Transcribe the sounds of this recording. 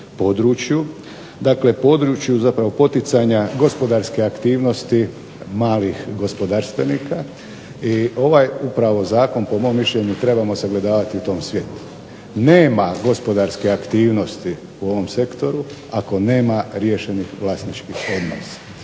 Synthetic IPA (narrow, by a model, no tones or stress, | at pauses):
po̞d̪ɾut͡ʃju | d̪aːkle̞po̞d̪ɾut͡ʃjuzapɾaʋo̞po̞t̪it̪saɲaɡo̞spo̞d̪aɾskeakt̪iːʋno̞st̪i | maːlixɡo̞spo̞d̪aːɾst̪ʋe̞niːka | iʔo̞ʋajupɾaʋo̞zaːko̞npo̞mo̞mːiʃʎe̞ɲut̪ɾe̞bamo̞seɡle̞d̪aːʋat̪iut̪o̞ːmsʋje̞t̪u̥ | ne̞ːmaɡo̞spo̞d̪aɾskeakt̪iːʋno̞st̪i | uo̞ʋo̞mse̞kt̪o̞ɾu | ako̞ne̞ːmaɾjeʃe̞nixʋlasnit͡ʃkixo̞d̪no̰sḁ